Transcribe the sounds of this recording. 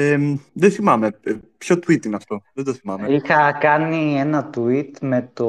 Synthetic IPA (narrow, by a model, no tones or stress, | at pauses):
eðeθimɐmepço̞t̪uit̪inɐft̪o̞ðed̪oθimɐmeixɐkɐnienɐt̪it̪me̞t̪o